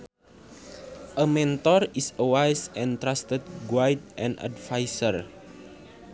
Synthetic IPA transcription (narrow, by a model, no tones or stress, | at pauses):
ʔəmɛ̃nt̪ɔrisəwajsɛ̃nt̪ɾast̪ət̚ɡwajt̚ʔɛ̃na̰dfajsər